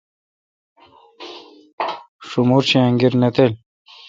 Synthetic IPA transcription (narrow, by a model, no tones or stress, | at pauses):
ʂumuɾɕiãŋɡiɾnet̪el